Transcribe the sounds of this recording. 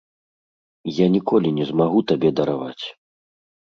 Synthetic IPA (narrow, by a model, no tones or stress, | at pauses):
janʲikɔlʲinʲɛzmaɣut̪abʲɛd̪ɐɾavat͡sʲ